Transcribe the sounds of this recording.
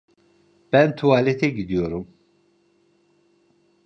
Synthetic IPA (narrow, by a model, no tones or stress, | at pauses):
b̥ænt̪ʰuaːlet̪ʰɛɟid̪ijo̞ɾum